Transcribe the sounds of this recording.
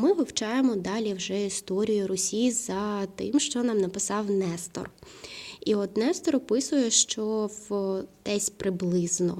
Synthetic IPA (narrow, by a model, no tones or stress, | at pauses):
mɪʋɔwt͡ʃɑjemɔd̪ɑlʲiwʒɛist̪ɔɾʲijʊɾɔsʲijzɐt̪ɪ̰mʃt͡ʃɔnɑmnɐpɪsɑwnɛst̪ɔ̰r | iɔt̪nɛst̪ɔɾɔpɪsʊjɛʃt͡ʃɔwd̪̥ɛsʲpɾɪblˠɪznɔ̰